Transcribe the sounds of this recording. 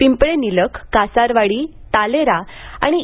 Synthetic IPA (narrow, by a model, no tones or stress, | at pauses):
pimpɭeniləkːasaɾʋaɽi | t̪aleɾa | a̰ɽ̃i